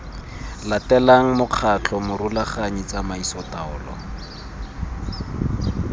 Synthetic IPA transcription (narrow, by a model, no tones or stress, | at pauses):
latɛlaŋ̩mʊq͡χʰat͡ɬʰɔmʊɾulaχaɲit͡samaisɔtaɔ̰ːlɔ̰